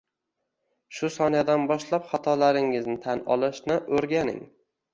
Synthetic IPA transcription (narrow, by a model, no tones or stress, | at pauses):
ʃʊsɒnad̪anbɒʃlapχɒt̪ʰɒlaɾɪŋɪznɪt̪ʰanɒ̰lˠɪʃnɪʔɵɾɡʲanɪ̰ŋ